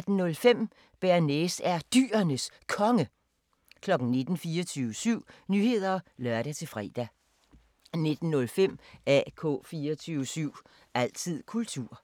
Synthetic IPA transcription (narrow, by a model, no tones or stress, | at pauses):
d̥n̩nɔ̽lfem̰ | b̥æɐnesæɐd̥y̰ːɐnəs | kʰɒ̽ŋə | kʰlɒ̽ɡ̥n̩ne̝d̥n̩fiːɒt͡sʰyːʊʋəsyʊ̰nyːhe̝ð̞̰ˠɐlɶɐɾ̥æt͡sʰe̝fʁɛ̰ːd̥æ | ne̝d̥n̩nɔ̽lfem̰ækʰɔ̰ːfiːɒt͡sʰyːʊəsyʊ̰ | æl̰t͡sʰið̰ˠkʰult͡sʰuɐ̰